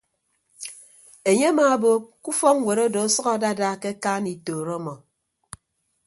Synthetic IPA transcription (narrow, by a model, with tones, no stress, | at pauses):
e˨ɲe˦a˦ma˨bo˨ku˦fɔ˦ŋ̩˦wʷe˨ɾɔ˦dɔ˨˦sɔ˦ɣa˨da˦˨daː˦ke˦kaː˦ni˨toː˨ɾɔ˦mɔ˨